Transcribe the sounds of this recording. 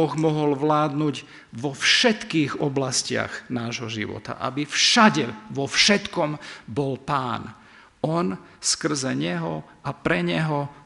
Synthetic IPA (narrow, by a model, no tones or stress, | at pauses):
ɔɣmɔɦɔlʋlaːd̪nuɟ | ʋɔfʃɛt̪kiːɣɔblascɪa̰ɣnaːʒɦɔʒḭʋɔ̰t̪a̰ʔa̰bifʃaɟɛʋɔfʃɛt̪kɔmbɔlpaːn | ɔn | skr̩zɛɲɛɦɔ | ʔapɾɛɲɛɦɔ